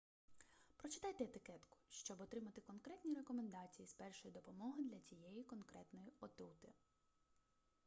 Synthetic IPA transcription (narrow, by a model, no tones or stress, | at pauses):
pɾɔt͡ʃɪ̥t̪ɑjt̪ɛːt̪ɪkɛt̪kʊ̥ʃt͡ʃɔbɔt̪ɾɪmɐt̪ɪkɔnkɾɛt̪ʲnʲiɾekɔmend̪ɑt͡sʲijispɛrʃɔjid̪ɔpɔmɔɦɪd̪lʲɐt͡sʲijɛjikɔnkɾɛt̪nɔjiɔt̪ut̪ɪ